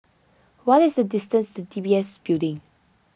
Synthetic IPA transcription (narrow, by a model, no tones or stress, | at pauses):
wɔtɪsdədɪstə̃nstudibiɛsbildɪ̃ŋ